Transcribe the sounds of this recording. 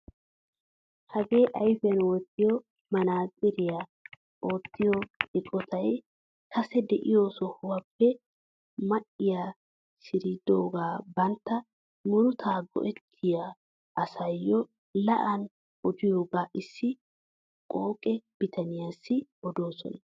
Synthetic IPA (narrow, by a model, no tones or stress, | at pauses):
hɐɡe̞ːʔɐjfɛnwɔt̪ːɪjɔ | mɐnaːkʼɪɾɪja | ʔo̞ːt̪ːɪjɔɪkʼɔt̪ʰɐj | kʰɐsɛd̪ɛʔɪjoːsɔhʊwɐpːɛ | mɐʔɪja | sɪɾid̪oːɡaːbɐnt̪ːɐ | mʊɾʊt̪ʰaːɡɔ̰ʔɛt̪ʰːɪja | ʔɐsɐjːɔ | lɐʔɐn | ʔɔd̪ɪjoːɡaːʔɪsːɪ | kʼoːkʼɛb̥ɪt̪ʰɐnɪjasːɪɔd̪oːsɔ̰nɐ